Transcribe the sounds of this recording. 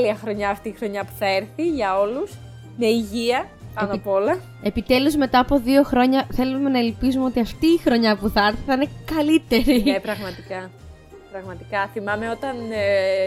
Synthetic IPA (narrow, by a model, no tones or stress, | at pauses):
liɐxɾo̞ɲɐːft̪iːxɾo̞ɲɐpu̥θɐeɾθiʝɐo̞lus | me̞iʝiɐ | pɐnɐpo̞lɐ | e̞pit̪e̞luzmet̪ɐːpo̞ðio̞xɾo̞ɲɐθe̞lume̞nɐelpizumeo̞t̪iɐft̪iːxɾo̞ɲɐpuθɐɐɾθiθɐine̞kɐlit̪e̞ɾiepɾɐɣmɐt̪ikɐ | pɾɐɣmɐt̪ikɐθimɐme̞o̞t̪ɐn